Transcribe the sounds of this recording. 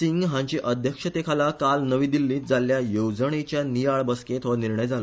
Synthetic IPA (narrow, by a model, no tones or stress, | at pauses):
siŋɡɦãɲt͡ɕiʔəd̪ʱjəkʂət̪ekʰalakalnəʋiːd̪ilːiːt̪̚d͡zaljajowd͡zəɳ̃et͡ɕjanijaɭbəsket̪ʰoʋniɾɳəjd͡zʱalə